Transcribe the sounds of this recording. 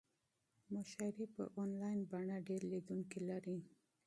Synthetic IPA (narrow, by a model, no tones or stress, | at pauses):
mʊʃaɾipə̰ʔonlɑjnbaɳaɖeɾlid̪uŋkilaɾi